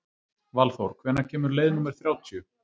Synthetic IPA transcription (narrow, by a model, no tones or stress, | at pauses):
valθowɾ̥kʰvɛːnacʰɛːmʏɾlejðnumɛɾ̥θɾjaːwt̪ʰjʏ